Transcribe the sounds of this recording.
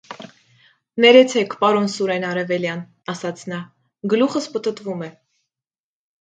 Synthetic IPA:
nɛɾɛt͡sʰɛkʰpɑɾɔnsuɾɛnɑɾɛvɛljɑn | ɑsɑt͡sʰnɑ | ɡəluχəspət̪ət̪vumɛ

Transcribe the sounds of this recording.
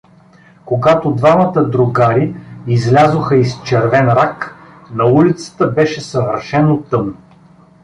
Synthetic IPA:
koɡat̪od̪vamət̪əd̪ɾʊɡaɾiizlʲazoxəist͡ʃɛɾvɛnɾak | nɐulit̪sə̥t̪əbɛʃɛsɐvəɾʃɛnot̪ɤm

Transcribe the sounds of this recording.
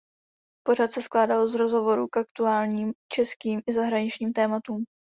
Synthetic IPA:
po̞ɾat̪sɛsklaːdalzɾozɦo̞vo̞ɾukak̚t̪uaːlɲiːmt͡ʃɛskiːmʔɪzaɦɾaɲɪt͡ʃɲiːmt̪ɛːmat̪uːm

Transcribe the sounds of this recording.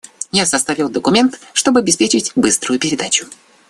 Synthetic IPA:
jasɐst̪avʲilˠd̪əkʊmʲe̞nt̪ʂt̪o̞bɨɐbʲɪspʲet͡ɕɪtʲbɨst̪ɾʊjʊpʲɪɾʲɪd̪at͡ɕʊ̥

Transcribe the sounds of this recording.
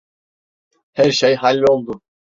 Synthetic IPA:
hæɾʃejɦalʲːo̞lˠd̪ʊ

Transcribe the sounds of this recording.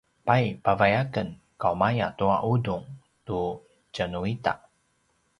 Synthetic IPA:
pajpavajakən | kawmaja̰t̪uaʔuduŋ | tu | t͡ʃənuita̰ʔ

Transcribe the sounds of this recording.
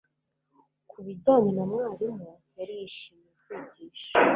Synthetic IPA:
kʰuβiɟaːmenamŋaːɾimujaɾijiʃiːmjekwiːɟiːʃḁ

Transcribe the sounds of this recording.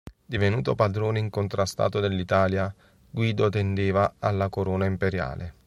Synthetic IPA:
d̪ivenuːt̪opad̪ɾoːneiŋkont̪ɾast̪a̰ːt̪od̪elːit̪aːlja | ɡwiːd̪ot̪end̪eːvaalːakoɾɔːnaimpeɾja̰ːle

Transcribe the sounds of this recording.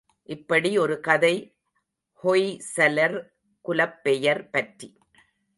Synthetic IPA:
ʔɪpːɐɽiɔɾɯkɐðɐɪ | hɔɪsɛlɐɾ | kʊlɐpːɛjɐɾpɐʈri

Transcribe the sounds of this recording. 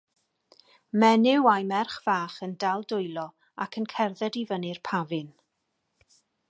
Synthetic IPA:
mɛnɪwajmɛrχv̥aːχəndalˠdʊjlˠɔ | a̰kʰənkʰɛrðɛdivənirpʰavɨn

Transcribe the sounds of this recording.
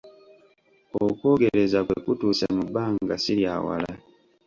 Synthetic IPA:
okwoːɡeɾezakwekutusemubaːŋɡasiljaːwa̰la

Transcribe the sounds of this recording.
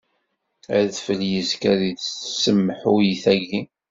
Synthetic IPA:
æðfəljəzkæðiðsəmːəħʊjiθæʝi

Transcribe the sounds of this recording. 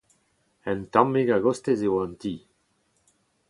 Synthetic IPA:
ɛ̃nt̪ãmːeɡaɡost̪ezewãnt̪iː

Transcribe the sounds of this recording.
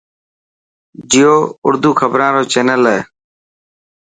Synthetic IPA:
d͡ʒɪjoːʊ̰ɾd̪uːkʰəbɾãːɾoːt͡ʃeːnəleː

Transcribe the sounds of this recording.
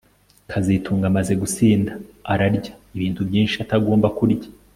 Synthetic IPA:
kʰazitʰuːŋɡamaze̞ɡut͡siːndaːɾaɾɟḁiβiːntubɟiːnʃiataɡo̞ːmbakuɾɟḁ

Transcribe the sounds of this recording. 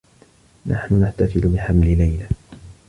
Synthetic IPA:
nʔa̰ħnʊnaħt̪afɪlʊbɪħamlɪlajla

